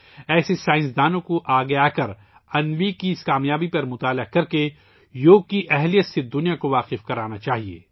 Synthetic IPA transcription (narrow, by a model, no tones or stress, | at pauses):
ɛːsesaːɪ̃nsd̪aːnõkoʔaːɡɐjaːkɐɾ | ɐnʋikiɪskaːmjaːbipɐɾmʊt̪aːlakɐɾke | joːkːiʔɛɦlijət̪sed̪ʊnijakoʋaːqɪfkɐɾaːnat͡ʃaːɦiḛː